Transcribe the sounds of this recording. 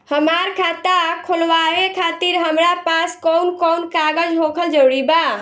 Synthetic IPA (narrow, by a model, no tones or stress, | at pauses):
həmaɾkʰat̪akʰolʋaekʰat̪iɾɦəmɾapaskɔwnkɔwnkaɡəd͡ʒɦokʰəld͡ʒoɽiba